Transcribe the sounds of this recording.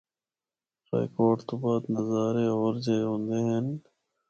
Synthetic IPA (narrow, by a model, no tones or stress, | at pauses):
ɾa̰ːjkoːʈt̪obaːt̪nəzaːɾeoːɾd͡ʒeɦõːnd̪eɦen